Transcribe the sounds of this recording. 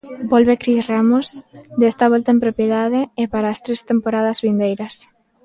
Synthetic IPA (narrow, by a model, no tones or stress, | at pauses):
bɔlβekɾisramosd̪est̪aβ̞ɔlt̪aempɾopjeðaðeːpaɾaːst̪ɾest̪empoɾaðazβind̪ejɾɐs